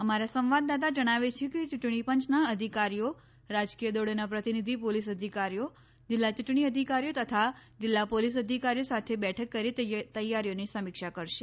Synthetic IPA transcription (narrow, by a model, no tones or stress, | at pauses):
əmaɾasə̃mʋad̪ːat̪̬ad͡ʒəɽ̃aʋet͡ʃʰeket͡ʃʊʈɳ̃ipəɲt͡ʃnaəd̪ʱikaɾijo | ɾad͡ʒkijəd̪oɽenapɾət̪inid̪ʱipolisəd̪ʱikaɾijo | d͡ʒɪlːat͡ʃuʈɳ̃iəd̪ʱikaɾijot̪ət̪ʰad͡ʒɪlːapolisəd̪ʱikaɾijosat̪ʰebɛʈʰəkːəɾit̪t̪əjaɾjonisəmikʃakəɾʃe